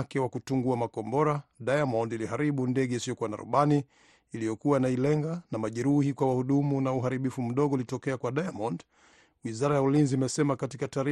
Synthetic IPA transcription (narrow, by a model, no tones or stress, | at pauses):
kɛwakutuŋɡuamakɔmbɔɾaɗajamɔndiliɦaɾiɓundɛɠɛisijɔkuana̰ɾṵɓaniː | lijɔkuwanailɛŋɡanamaʄɛɾuhikwawahuɗumunauɦaɾiɓifum̩ɗɔɠɔulitɔkɛakwaɗajamɔnd | wizaɾajaulinziːmɛsɛmakatikataɾi